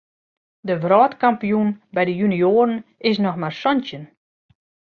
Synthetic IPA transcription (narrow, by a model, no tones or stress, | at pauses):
dəvrɔːtkampijunbɛjdəjynioːɾənɪs̬nɔxmarsɔntjən